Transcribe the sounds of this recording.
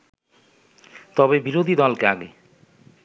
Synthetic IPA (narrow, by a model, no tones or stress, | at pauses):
t̪ɔbebiɾod̪ʱid̪ɔlkeaɡḛ